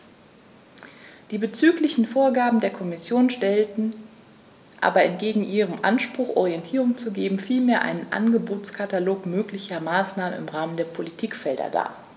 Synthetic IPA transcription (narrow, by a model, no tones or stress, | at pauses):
d̥iːbət͡syːklɪçn̩foːɐɡaːbm̩deːɐkʰɔmɪsjoːnʃtɛltn̩ | ʔa̰ːbɐɛntɡ̥eːɡŋ̩ʔiːʁ̞əmʔa̰nʃpʁ̥ʊχʔɔʁiɛntʰiːʁʊŋt͡suɡeːbm̩fiːlmeːɐʔa̰ɪnənʔa̰nɡəboːt͡skʰataloːkmøːklɪçɐmaːsnaːmənɪ̰mʁaːməndeːɐpʰolitʰiːkfɛldɐ̰da̰ː